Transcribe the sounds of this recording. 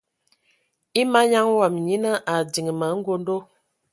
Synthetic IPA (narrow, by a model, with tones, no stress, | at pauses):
i˦ma˦ɲa˦ŋwa˨m˨ɲi˦nə˦ʔa˨di˨ŋ˨mə˨˦ŋ̩˦ɡo˦ndo˦